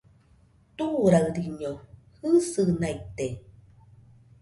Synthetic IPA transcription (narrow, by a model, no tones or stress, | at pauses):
t̪uɾaɯɾiɲo | hɯsɨnait̪e